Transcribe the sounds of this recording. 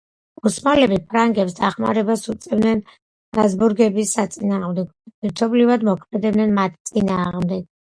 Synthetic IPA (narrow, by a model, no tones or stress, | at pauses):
usmalɛbipʰɾaŋɡɛpsd̪aχma̰ɾɛbasut̪sʼɛvd̪nɛn | ɾazbuɾɡɛbisːat̪sʼinaːʁmd̪ɛɡɔɛɾt̪ʰɔblivad̪mɔkʰmɛd̪ɛbnɛnmat̪ʰt̪sʼinaːʁmd̪ɛɡ̥̚